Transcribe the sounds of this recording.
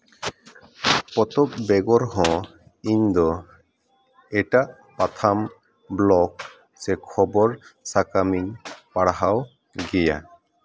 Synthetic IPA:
pɔt̪ɔp̚bɛɡɔɾɦɔ̃ | iɲd̪ɔ | ɛʈaʔ | pat̪ʰam | blɔk̚ | sɛkʰɔbɔɾsakamiɲpaɽɦaw | ɡɛja̰

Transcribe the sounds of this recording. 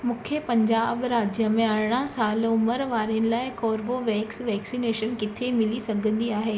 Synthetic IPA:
mʊkʰjəpɐ̃ɲd͡ʑaːbɾaːd͡ʑjəmẽaɽɽ̃asaːlʊməɾʋaːɾiənɪ̆laːɪkɔːɾʋoʋɛːksʋɛːksineːʃənkɪt̪ʰemɪlisɐɡʱə̃nd̪iaːɦeː

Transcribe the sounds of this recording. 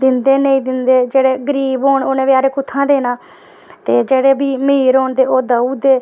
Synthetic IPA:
d̪ɪnd̪eːnəĩːd̪ɪnd̪eːd͡ʒeːɽeːɡəɾiːbɦoːɳoːnẽːʋjaːɾeːkʊt̪ʰːãːd̪eːnãː | t̪eːd͡ʒeːɽeːbiːmiːɾɦoːɳd̪eːoːd̪əuːd̪eː

